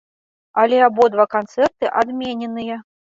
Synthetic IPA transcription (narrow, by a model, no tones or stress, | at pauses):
alʲɛabɔd̪vakant̪sɛrt̪ɨʔad̪mʲenʲɛnɨjɐ